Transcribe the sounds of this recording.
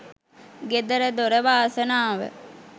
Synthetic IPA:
ɡed̪əɾəd̪oɾəʋaːsənaːʋə̰

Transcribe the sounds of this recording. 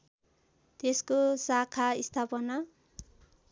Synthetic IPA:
t̪eskosakʰaist̪ʰapʌna

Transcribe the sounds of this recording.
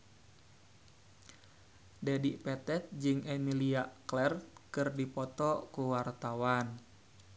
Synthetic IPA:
dɛdiʔpɛt̪ɛt̪̚d͡ʒɨŋɛmiliaklɛrt̪̚kɨrdipɔt̪ɔkuwart̪awan

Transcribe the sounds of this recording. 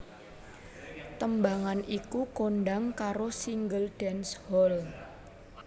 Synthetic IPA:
t̪əmbaŋanikukonɖaŋkaɾosiŋɡəlɖ̥ɛnshɔl

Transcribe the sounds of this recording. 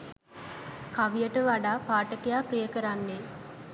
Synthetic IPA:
kaʋijəʈəʋaɖaːpaːʈəkejaːprijəkəɾanːe

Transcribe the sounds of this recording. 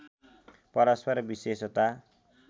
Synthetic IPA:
pʌɾʌspʌɾbisesʌt̪a

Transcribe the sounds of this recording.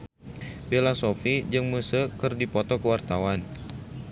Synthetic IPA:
belasofid͡ʒəŋmusəkərdipɔt̪ɔkəwart̪awan

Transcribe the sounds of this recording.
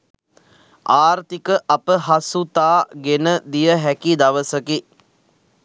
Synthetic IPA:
aːɾt̪ikəʔapəɦasut̪aːɡenəd̪ijəɦækid̪aʋəsəki

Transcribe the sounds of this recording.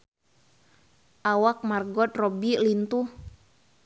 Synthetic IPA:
ʔawak̚marɡɔt̪̚rɔbilint̪u

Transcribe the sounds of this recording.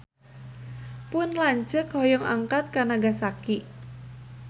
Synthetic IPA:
pʊnlaɲt͡ʃɨkhɔjɔŋʔa̰ŋkat̪̚kanaɡasaki

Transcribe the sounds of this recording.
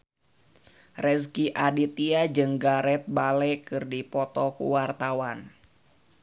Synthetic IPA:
rɛskiʔadit̪iad͡ʒɨŋɡaɾɛt̪̚balɛkɨrdipɔt̪ɔkṵwart̪awan

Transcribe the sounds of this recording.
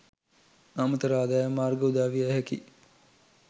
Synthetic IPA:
amət̪əɾaːd̪ajəmaːrɡəud̪aːʋiaɦɛkḭ

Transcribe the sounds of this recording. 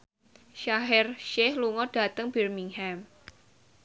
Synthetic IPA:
ʃaɦɪrʃɛhluŋɔɖ̥a̤t̪əŋbɛrmiŋhɛm

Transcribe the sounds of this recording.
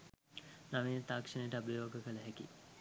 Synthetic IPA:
naʋit̪aːkʂənejʈəabjoːɡəkələɦɛki

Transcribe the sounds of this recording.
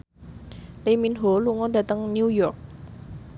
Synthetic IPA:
leminɦoluŋɔdä̤t̪əŋnjujɔrk̚

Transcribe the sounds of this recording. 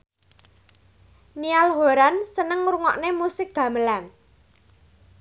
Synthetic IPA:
nialɦoɾansənəŋɾuŋɔ̰ʔnemusɪk̚ɡ̥ä̤məlan

